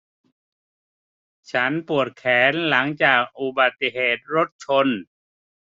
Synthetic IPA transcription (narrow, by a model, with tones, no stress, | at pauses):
t͡ɕʰa˦˥npu˨˩ət̪̚kʰɛː˩˦nla˩˦ŋt͡ɕaː˨˩k̚ʔu˨˧ba˨˩t̪ːi˧ɦeː˨˩t̪̚ɾo˦˥t̪̚t͡ɕʰo˧n